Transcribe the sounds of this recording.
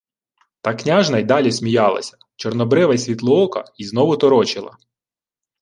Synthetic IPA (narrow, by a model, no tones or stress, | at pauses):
t̪ɑknʲɑʒnɐjd̪ɑlʲisʲmʲijɑlˠɐ̰sʲɐ̥ | t͡ʃɔrnɔbɾɪʋɐsʲʋʲit̪lˠʊɔkɐ̰iznɔʋʊt̪ɔɾɔt͡ʃɪlˠɐ̰